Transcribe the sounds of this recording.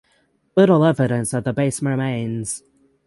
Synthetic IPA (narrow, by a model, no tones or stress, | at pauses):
lɪɾl̩ˠɛvɨɾɨ̃nsət̪̚ðəbeɪsməmẽɪ̃nz̥